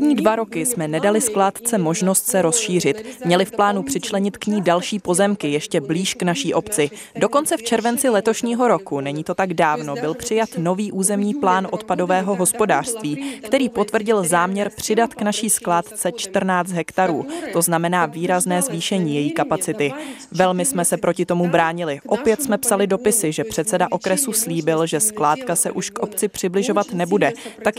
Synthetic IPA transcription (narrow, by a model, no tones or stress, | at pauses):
dɲiːdvaɾo̞kɪsmɛnɛdalɪsklaːt̪t͡sɛmo̞ʒno̞st̪sɛɾo̞sʃiːr̝ɪt̪mɲɛlɪfplaːnupr̥ɪt͡ʃlɛɲɪt̪kɲiːdalʃiːpo̞zɛmkɪjɛʃcɛbliːʃknaʃiːʔo̞pt͡sɪ | do̞ko̞nt͡sɛft͡ʃɛɾvɛnt͡sɪlɛt̪o̞ʃɲiːɦo̞ɾo̞kunɛɲiːt̪o̞t̪aɡdaːvno̞bɪlpr̝̥ɪjat̪no̞viːʔuːzɛmɲiːplaːnʔo̞t̪pado̞vɛːɦo̞ɦo̞spo̞daːr̥st̪viːkt̪ɛɾiːpo̞t̪vr̩ɟɪlzaːmɲɛɾpr̝̥ɪdat̪knaʃiːsklaːt̪t͡sɛt͡ʃt̪r̩naːt͡st̪ɦɛkt̪aɾuːt̪o̞znamɛnaːviːɾaznɛːzviːʃɛɲiːjɛjiːkapat͡sɪt̪ɪvɛlmɪsmɛsɛpɾʔo̞cɪt̪o̞mubɾaːɲɪlɪʔo̞pɪjɛt̪smɛpsalɪdo̞pɪsɪʒɛpr̝̥ɛt̪sɛdaʔo̞kɾɛsusliːbɪlʒɛsklaːt̪kasɛ̰ʔuʃkʔo̞pt͡sɪpr̝̥ɪblɪʒo̞vat̪nɛbudɛt̪ak